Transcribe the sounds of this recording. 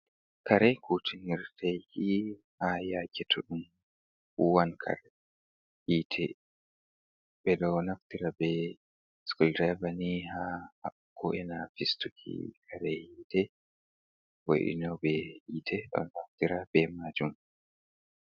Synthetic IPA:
kaɾɛjkʰutʰiniɾtɛjhi | hajakɛtʰɔɗum | uwankʰa̰ɾ | ʔiːtʰɛ | bɛɗɔnaftiɾabɛ | skuldabanihaha | kʰɔʔɛnafistukʰḭkʰaɾɛhiːtɛ | wo̰ɗḭnɔbɛhitʰɛɗɔ̰naftiɾabɛmad͡ʒum

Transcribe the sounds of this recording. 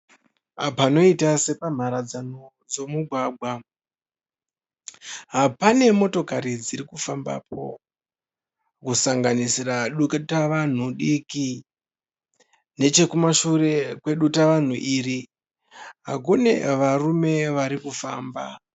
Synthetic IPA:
apano̞itase̞pam̤aɾad͡zano̞ | d͡zo̞muɡʱwaːɡʱwa | ɦapane̞mo̞to̞kaɾid͡ziɾikufamba̰po̞̰ | kusaŋɡanisiraɗuktaʋan̤uɗiki | ne̞t͡ʃe̞kumaʃure̞kwe̞ɗutaʋan̤uʔiri | ɦak̬une̞̰ʋarume̞ʋaɾikufaːmba̰

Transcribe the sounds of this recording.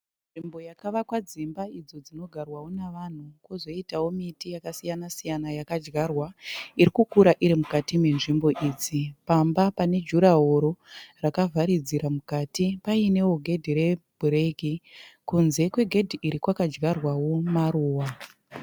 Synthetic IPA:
nnʐimbo̞jakaʋakwad͡zimbaid͡zo̞d͡zino̞ɡʱarwawo̞naʋan̤ukwozo̞itawo̞mitijakasijanasijanajakad͡ʒɡarwaiɾikukuɾaʔiɾimukatime̞nʐimbo̞ʔiːd͡zipambapane̞d͡ʒuɾaɦoɾorakavʱaɾid͡ziɾamukaːtipaine̞woɡʱe̞dʱiɾe̞bʱureɡikunze̞kwe̞ɡʱe̞dʱiʔiɾikwakad͡ʒɡarwawo̞maruːwa

